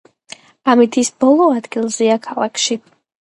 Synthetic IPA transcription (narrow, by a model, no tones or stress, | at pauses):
amit̪ʰisbɔlˠɔad̪ɡilˠziakʰalˠakʰʃi